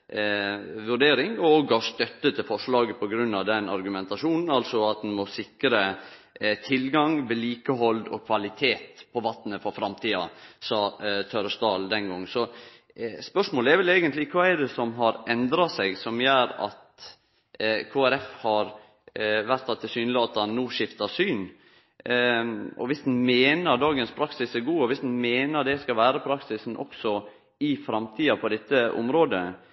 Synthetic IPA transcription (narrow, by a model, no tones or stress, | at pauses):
ʋʉɖeːɾɪŋɔoɡɑst̪œt̪ːət̪ʰɪlfɔʂɭɑːɡəpʰɔɡɾʉnːɑʋd̪ɛnɑɾɡʉmɛnt̪ɑʂuːnn̩ɑlsɔɑt̪̚d̪ɛnmɔsɪkɾə | t̪ʰɪlɡɑŋʋɛliːkəɦɔld̪ɔ̰kʰʋɑlɪt̪ʰeːt̪pʰɔʋɑt̪nəfɔɾfɾɑmt̪ʰiːɑ̰sɑːt̪ʰœɾst̪ɑːld̪ɛnɡɔŋːnsɔ | spœʂmoːləɛɾʋɛleːɡənt̪lɪkʰʋɑːɛd̪ɛsɔmɦɑɾɛnd̪ɾɑsɛɡsɔmjøːɾɑ̰t̪ | kʰoːæɾɛfhɑɾ | ʋæɾt̪ʰːɑt̪ʰːɪlsyːnlɪɑt̪hɑnːuːʂɪft̪ɑsyːn | ʔɔ̰ʋɪsd̪n̩meːnəɾd̪ɑːɡənspʰɾɑksɪsæɾɡuːɔʋɪsd̪n̩meːnəɾd̪ɛskɑlʋæːɾəpʰɾɑksɪsn̩ʔɔ̰ksɔ | ɪfɾɑmt̪ʰiːɑpʰɔd̪ɛt̪ːəʔɔ̰mɾoːd̪ə